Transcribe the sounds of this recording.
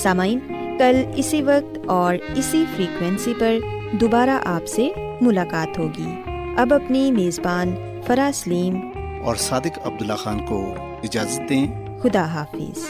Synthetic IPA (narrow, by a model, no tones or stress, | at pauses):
saːmaːiːnkɐlɪsiʋɐk̚t̪ɔːɾɪsifɾiːkwɛ̃nsipɐɾd̪oːbaːɾaʔaːpse | mʊlaːkaːt̪ɦoːɡḭː | ɐbɐpnimeːzbaːn | fɐɾaːsɐliːm | ɔːɾsaːd̪ɪkɐb̚d̪ʊlːaxaːnko | ɪd͡ʒaːzət̪̚d̪ẽː | xʊd̪aɦaːfɪ̰z̥